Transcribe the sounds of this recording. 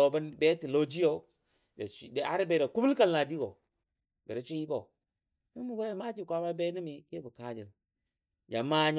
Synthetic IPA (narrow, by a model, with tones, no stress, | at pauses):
o˨ba˦nbɛ˦ti˨lo˦d͡ʒi˦jo˦ | d͡ʒa˨da˨˦ɾi˦be˨de˨ku˦bu˦lka˦nla˨di˦ɡo˨ | be˨ɾe˦t͡ʃi˦ji˦bo˨ | i˦mu˨˦ɡa˦jma˦d͡ʒi˦˨kʷa˦ma˦be˦ni˦mi˨ke˦bə˨ka˦d͡ʒi˨l | d͡ʒa˨ma˦ɲ